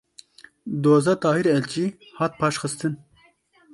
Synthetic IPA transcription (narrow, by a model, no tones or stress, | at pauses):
d̪oːzɑːt̪ʰɑːhiɾɛlt͡ʃiː | hɑːt̪̚pʰɑːʃxɨst̪ɨn